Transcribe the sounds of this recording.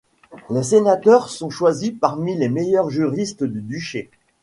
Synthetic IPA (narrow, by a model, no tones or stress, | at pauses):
lesenat̪œʁsɔ̃ʃwazipaʁmilemejœʁʒyʁist̪d̪yd̪yʃe